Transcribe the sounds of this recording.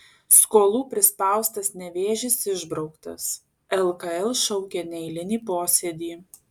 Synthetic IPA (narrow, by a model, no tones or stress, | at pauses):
skoːlˠuːpʲɾʲɪspɑˑʊst̪ɐsnʲɛʋʲeːʒʲɪsɪʒbɾɒʊkt̪ɐ̰s | ɛlˠkɐɛlˠʃɔʊkʲeːnʲɛɪlʲɪnʲiːpoːsʲɛd̪ʲiː